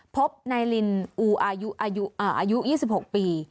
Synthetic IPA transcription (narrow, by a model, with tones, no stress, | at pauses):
pʰo˦˥p̚na˧jli˧nʔuː˧˩ʔaː˧ju˦˥ʔaː˧ju˦˥ʔaː˨˩ʔaː˧ju˦˥ʔjiː˥˩si˨˩p̚ho˨˩k̚piː˧